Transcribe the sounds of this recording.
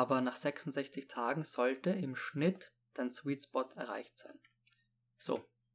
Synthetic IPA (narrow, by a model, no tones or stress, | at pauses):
aːbɐnaːχz̥ɛksʊntz̥ɛçt͡sɪçtʰaːɡŋ̩z̥ɔltəɪmʃnɪt | d̥answiːtsbɔtʰɛɐʁa̰ɪçtz̥aɪn | z̥o̰ː